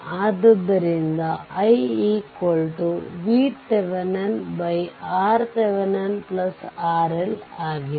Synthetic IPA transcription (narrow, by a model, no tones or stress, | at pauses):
aːd̪ɐd̪ɐɾind̪ɐɐjikolʈuʋiːseʋɐnɐnbɐjaːɾseʋɐnɐnplɐsaːɾelaːɡi